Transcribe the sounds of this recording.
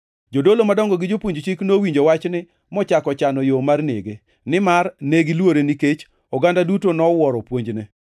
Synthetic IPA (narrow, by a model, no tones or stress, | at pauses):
d͡ʒodolomadɔŋɡɔɡɪd͡ʒopwoɲd͡ʒt͡ʃiknowiɲd͡ʒowat͡ʃnɪ | mɔt͡ʃakɔt͡ʃanɔjomarnḛɡe | nɪmarneɡɪlwoɾeniket͡ʃ | ɔɡandadutonɔwɔɾɔpwoɲd͡ʒne